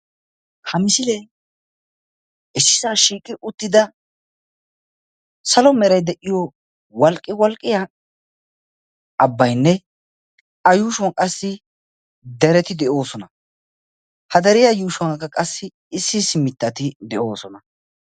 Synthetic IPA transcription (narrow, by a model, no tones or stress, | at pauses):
kʰɐmɪsɪle | ʔɛsːɪsaːʃiːkʼːɪʔʊt̪ːɪd̪ɐ | sɐlɔmɛɾɐjd̪ɛʔːɪjɔ | wɐlkʼːɪwɔlkʼːɪja | ɐbːɐjnːɛ | ɐjuːʃʊwɐkʼɐsːɪ | d̪ɛɾɛt̪ɪd̪ɛʔo̞ːsɔnɐ | hɐd̪ɐɾɪjajuːʃʊwɐkːɐkʼɐsːɪ | ɪsːɪsɪmːɪt̪ːɐt̪ɪd̪ɛʔo̞ːsɔnɐ